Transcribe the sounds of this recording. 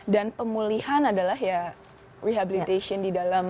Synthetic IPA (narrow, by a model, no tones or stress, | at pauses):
danpəmulihanadalaɦja | riɦabilit̪esiɔndidalam